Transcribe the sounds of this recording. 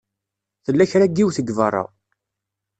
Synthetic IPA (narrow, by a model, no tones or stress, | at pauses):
θəlːæçɾæɡːiwθəɡvərˤːɑ̰